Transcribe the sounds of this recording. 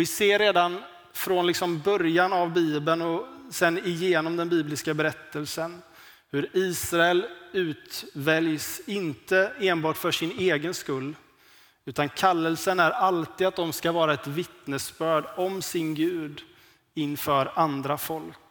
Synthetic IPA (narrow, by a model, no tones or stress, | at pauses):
vɪseːɾːeːd̪an | fɾɔnlɪksɔmbœɾjanavbiːbənɔsɛnɪjeːnɔmd̪ɛnbiːblɪskabɛɾɛt̪ʰːəlsən | hɵɾiːsɾaɛlʉ̟ːt̪vɛljsɪnt̪əeːnbɑːʈfœʂɪneːɡənskɵlː | ʉ̟ːt̪ankʰalːəlsənæɾalt̪iːd̪at̪̚d̪ɔmskavɑːɾaɛt̪vɪt̪nəsbœːɖɔmsɪnɡʉ̟ːd̪ | ɪnːfœːɾand̪ɾafɔlk